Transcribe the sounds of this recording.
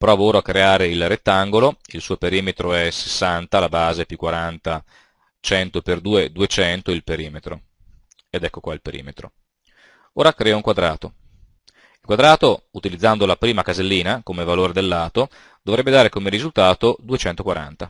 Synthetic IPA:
pɾɔːvooːɾoakːɾeaːɾeilret̪ːaŋɡoloilsuːopeɾiːmet̪ɾoɛse̥sːant̪alabaːzepjukwaɾant̪a | t͡ʃɛnt̪operd̪uːed̪uet͡ʃɛnt̪oilpeɾiːmet̪ɾo̰ | ed̪ɛkːokwailpeɾḭːmet̪ɾo̰ | oːɾakɾɛːouŋkwad̪ɾaːt̪o | ilkwad̪ɾaːt̪out̪ilid̪zːand̪olapɾiːmakazelːiːnakomevaloːɾed̪elːaːt̪o | d̪̥ovɾɛbːed̪aːɾekomeɾizult̪aːt̪od̪uet͡ʃɛnt̪okwaɾa̰nt̪a

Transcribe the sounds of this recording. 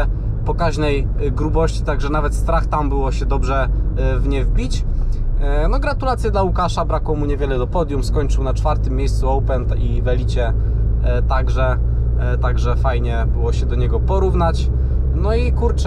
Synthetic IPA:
pɔkaʑnɛj | ɡɾubɔɕt͡ɕit̪aɡʐɛnavɛt̪st̪ɾaxt̪ambɘwɔɕɛd̪ɔbʐɛvɲɛvbʲit͡ɕ | nɔɡɾat̪ulat̪sʲjɛd̪laukaʂabɾakwɔ̃muɲɛvʲjɛlɛd̪ɔpɔd̪ʲjumskɔɲʲt͡ʂɘwnat͡ʂfaɾt̪ɘmʲːjejst̪suɔwpɛnt̪ivɛlʲit͡ɕɛ | t̪aɡʐɛ | t̪aɡʐɛfajɲɛbɘwɔɕɛd̪ɔɲɛɡɔpɔɾuvnat͡ɕ | nɔikuɾt͡ʂ

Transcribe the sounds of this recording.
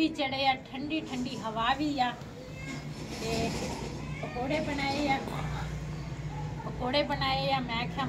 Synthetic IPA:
iːt͡ʃɐɽeːjaːʈʰə̃ɳɖiːʈʰə̃ɳɖiːɦɐʋaːʋiːjaː | keː | kəkoːɽeːbɐnaːejãː | kəkoːɽeːbɐnaːeːjaːmɛ̃ːkʰjãː

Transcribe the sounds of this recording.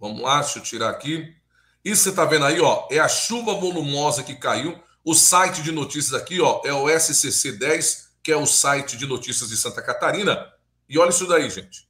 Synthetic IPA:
vɐ̃mʊ̰aʃʊt͡ʃiɾaɾa̰ki | isʊksẽt̪avẽd̪ʊaiɔɛɐʃuvɐvolumɔzɐkɪkaiw | ʊsajt͡ʃɪd͡ʒɪnot͡ʃisijɐzakiɔʔɛʊɛsɪsesed̪ɛjskɪɛʊsajt͡ʃɪd͡ʒɪnot͡ʃisiɐzd͡ʒɪsɐ̃nt̪ɐkat̪aɾĩnɐ | ɪɔʎisud̪aiʒẽt͡ʃɪ̥

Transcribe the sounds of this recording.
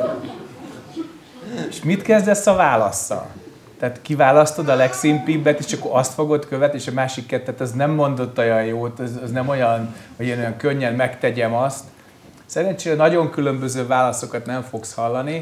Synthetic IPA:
eʃmit̪kɛzd̪ɛsɒvaːlɒsːɒ̰l | t̪ɛːt̪kivaːlɒst̪o̞d̪ɒlɛksimpibːɛt̪eːʃɒkːoɾɒst̪fo̞ɡo̞t̪køvɛt̪nieʃɒmaːʃikːɛt̪ːɛt̪ɛznɛmːo̞nd̪o̞t̪ːɒjɒjjoːt̪ɛzɒznɛmo̞jɒnhojeːno̞jɒŋkø̞ɲːɛnmɛkt̪ɛɟɛmɒst̪ | sɛɾɛɲt͡ʃeːnɒɟo̞ŋkylø̞mbøzøːvaːlɒso̞kɒt̪nɛɱfo̞kshɒlːɒni

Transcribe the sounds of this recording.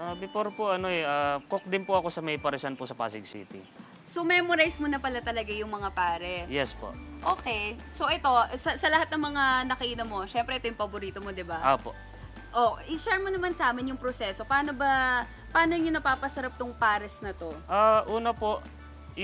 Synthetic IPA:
ʔab̪ɪpoɾpoʔɐno̞ɛʔaːkok̚d̪ɪnpoʔɐko̞sɐmɐjpɐɾɛsanpʊsɐpa̰sɪɡsḭːt̪ḭ | somɛmoɾajsmonɐpɐlat̪ɐlɐɡajʊŋmɐŋapaːɾɛjɛspo̰ʔoːkejsoʔɛt̪o̞sɐsɐlɐhat̪nɐŋmɐŋanɐkɐiːnɐmo̞ʃɛmpɾɛʔɛt̪ojʊŋpɐboɾiːt̪omo̞d̪ɪbaʔoːpo̰ʔ | ʔoʔɪʃɛɹmonɐmansaːmɪnjʊŋpɾosɛso̞paːnobɐ | pɐaːnoɲʊnɐpaːpɐsɐɾap̚t̪oŋpaːɾɛsnɐt̪o̞ʔaːʔuːnɐpoʔ

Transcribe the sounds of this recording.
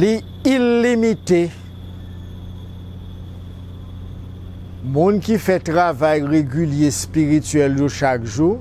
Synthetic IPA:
li | ilːimit̪e | mɔ̃nkifɛtʁavajʁeɡʲyljespiʁit̪ɥɛljoʃakʒu

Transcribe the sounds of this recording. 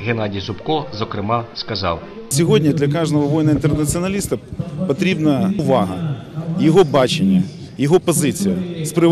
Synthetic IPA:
ɣenɑdʲijsʊpkɔzɔkɾɪmɑskɐzɑ̰w | sʲɔɦɔdʲnʲid̪lʲɐkɑʒnɔɦɔʋɔjnɐint̪ernɐt͡sʲiɔnɐlʲist̪ɐpɔt̪ɾʲibnɐʊʋɑɦɐjɔɦɔbɑt͡ʃenʲːɐ | jɔɦɔpɔzɪt͡sʲijɐspɾɪ

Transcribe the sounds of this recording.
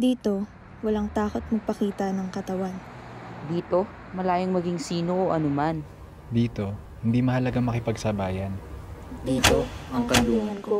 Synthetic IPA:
d̪iːt̪o̞ | wɐlaŋt̪aːko̞t̪̚mɐɡ̚pɐkiːt̪ɐnɐŋkɐt̪ɐwan | d̪iːt̪o̞ | mɐlaːjɪŋmɐɡiŋsiːnoʔoʔɐnoman | d̪iːt̪o̞ | hɪnd̪imɐhɐlɐɡaŋmɐkɪpɐɡsɐbaːjɐnd̪iːt̪o̞ʔɐŋkɐnd̪uːhɪnko

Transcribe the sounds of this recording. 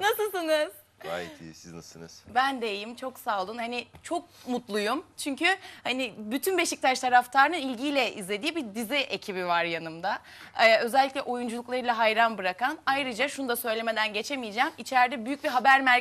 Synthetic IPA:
nasɯlˠsɯnɯz̥ | ɡa̰ːjɛ̰t̪ʰḭsizna̰sɯnɯ̰z̥bænd̪ejjimt͡ʃʰo̞ksaːlˠɯnhanit͡ʃʰo̞k̚mut̪lˠujumt͡ʃʰyɲcʰyhanibyt̪ʰynbe̞ʃic̚t̪ʰat͡ʃt̪ʰaɾaft̪ʰaɾɯnɯnilʲɟiːlʲɛʔizlʲe̞d̪iːbiɾd̪iziʔecʰibivaɾjanɯmd̪a | ɛø̞zɛlʲːiclʲɛʔo̞jund͡ʒulˠuklˠaɾɯlˠaɦajɾanbɯɾakanajɾɯd͡ʒaʃunud̪asø̞jlʲeme̞d̪ænɟe̞t͡ʃʰe̞mijid͡ʒɛːmit͡ʃʰæɾd̪ɛbyjyc̚biɦabæɾmæɾ

